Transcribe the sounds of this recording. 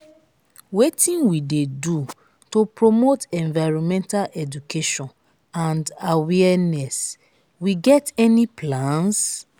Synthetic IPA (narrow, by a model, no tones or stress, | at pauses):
wetĩnwidedu | topɹomotɛ̃ɱvaɪɹɔ̃mɛ̃ntalʔɛd͡ʒukʰeʃɔ̃n | ãndawɛnɛs | wiɡɛtɛnipʰlãns